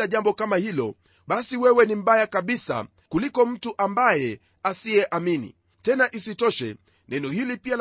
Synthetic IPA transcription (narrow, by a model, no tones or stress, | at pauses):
aʄambɔkamahilɔ̰ | ɓasiwɛwɛnim̩ɓajakaɓisa̰ | kulikɔm̩tuʔambajɛ | asiɛʔaminḭ | tɛnaʔisitɔʃɛ̰ | nɛnɔhilipial